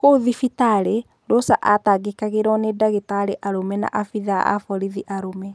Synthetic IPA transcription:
koðifitaɾe | ɾosaʔataɡekaɣeɾɔnedaɣetaɾeʔaɾomɛna̰ʔafiðaa̰fɔɾiðiʔaɾomɛ

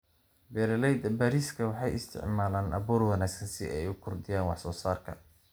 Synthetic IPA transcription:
bɛːɾɐlɛjd̪ɐbaːɾiːskʰɐwɑħɑjɪst̪ʰɪ̰ʕmaːlaːnʔɐ̰βuːrwɑnaːɡsɐnsɪ̰ʔɛjʊkʰʊrd̪ɪjaːnwɑ̰ħsɔːsaːrkʰɐ̰

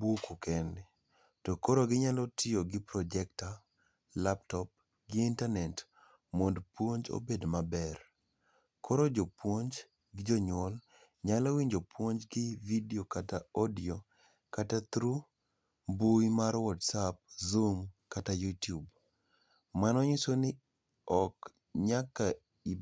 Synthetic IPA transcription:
bukukʰɛnɛ | tɔkoɾoɡɪɲalɔtʰɪoɡɪpɾɔd͡ʒɛk̚ta | laptɔp̚ | ɡɪintanɛt | mondpwoɲd͡ʒo̰bedmabɛr | kʰoɾod͡ʒopwoɲd͡ʒ | ɡɪd͡ʒɔɲwɔl | ɲalowiɲd͡ʒopwoɲd͡ʒɡɪvidiokataɔdio | katat̪ɾu | buimaɾwɔtsap̚zumkatajutjub | manɔɲisonɪ | ɔk | ɲakːa | i

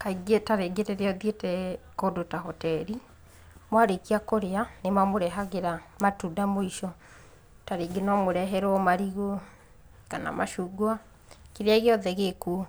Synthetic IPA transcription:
kaiɡetaɾeɡeɾeɾeɔðietɛkodotaɦɔtɛɾi | mwaɾekiakoɾeanemamoɾɛɦaɣeɾamatudamoiʃɔ | taɾeɡenɔmoɾɛɦɛɾɔmaɾiɣo | kana̰ma̰ʃuɡoa | kiɾeaɣeɔðɛɣeku

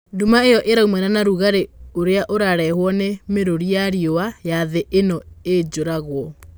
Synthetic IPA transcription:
dumaejɔʔeɾaumɛnanaɾuɣaɾeoɾeaʔoɾaɾɛhwɔnemeɾoɾijaɾiowajaðeʔenɔed͡ʑoɾaɣwɔ

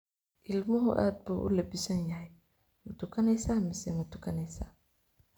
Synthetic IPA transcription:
ʔɪlmʊɦʊ̰ʔa̰ːd̪̚buːʔʊ̰lɐbɪsɐnjɐɦɛj | mʊt̪ʰʊkʰɐnɛjsaːmɪsɛmɐt̪ʰʊ̥kʰɐnɛjsa̰ː

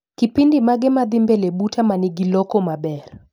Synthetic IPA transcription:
kipindimaɡɛmad̪ɪmbelebutamanɪɡilɔkɔmabɛr

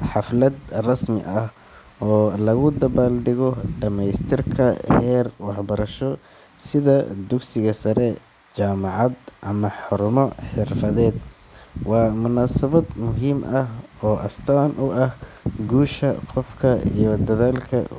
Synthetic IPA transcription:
ħɑflɐd̪rɐsmɪ̰ʔɐh | ɔːlɐɣʊd̪ɐβaːlɖɪɣɔɖɐmɛjst̪ʰɪrkʰɐhɛːrwɑħbɐɾɐʃɔ | sɪðɐd̪ʊɡsɪɣɐsɐɾɛ | t͡ʃaːmɑʕɑd̪ʔɐmɐħʊɾmɔħɪrfɐðɛːd̪wɑːmʊnaːsɐβɐd̪mʊɦiːmʔɐɦɔːʔɐst̪ʰaːnʔʊʔɐh | ɡuːʃɐqɔfkʰɐḭjɔd̪ɐðaːlkʰɐ̰

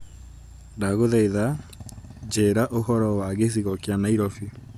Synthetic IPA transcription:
daɣoðɛiða | d͡ʑeɾaʔohɔɾɔwaɣes̬iɣɔkjanaiɾɔfi

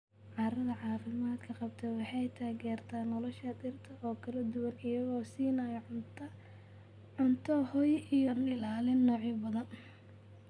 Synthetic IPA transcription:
ʕɑːɾɐðɐʕɑːfɪmaːd̪kʰɐqɑbt̪ʰɛwɑħɑjt̪ʰaːɣɛːrt̪ʰaːnɔlɔʃɐd̪ɪrt̪ʰɐʔɔːkʰɐlɐd̪ʊwɐnɪjɐɣɔːsiːnɐjɐ | ʕʊnt̪ʰɔhɔjʔijɔnɪlaːlɪnːɔːʕɪbɐðɐn

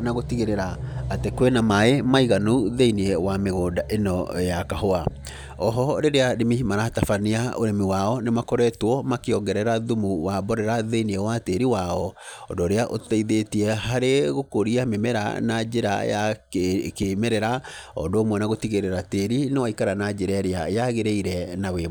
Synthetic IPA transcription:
naɣotiɣeɾeɾaːtekwenamaemaiɣanuðeiniewameɣoːdaʔenɔjakaɦoa | ɔɦɔɾeɾeaɾimimaɾatafaniaoɾemiwaɔnemakɔɾɛtwɔmakeɔŋɡɛɾɛɾaðumuwabɔɾɛɾaðeiniewateɾiwaɔɔndoːɾeaʔotɛiðetiɛɦaɾeɣokoɾiamemɛɾa̰nad͡ʒeɾa̰ja̰ | kemɛɾɛɾaɔ̰ndoomwɛnaɣotiɣeɾɛɾateɾinewaikaɾanad͡ʒeɾɛɾeajaɣeɾeiɾɛnawe

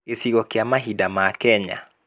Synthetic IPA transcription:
esiɣɔkjamaɦidamakɛɲa̰

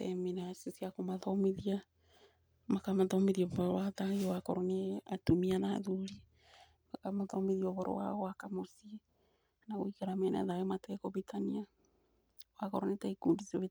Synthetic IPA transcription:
tɛminasesiakomaðomiðia | makamaðomeðiɔβɔɾowaðajowakɔɾɔneatumiana̰ðuɾi | makamaðɔmiðiɔβɔɾɔ̰wa̰ɣwakamosi | naɣoikaɾamɛn̰a̰ðajematɛkɔβitania | wakɔɾɔnetaikuːndisoβe

